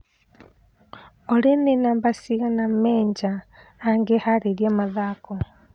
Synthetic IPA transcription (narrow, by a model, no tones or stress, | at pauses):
olenenambasiɣanammeːɲɟaː | ŋɡehaɾeljamaðaːko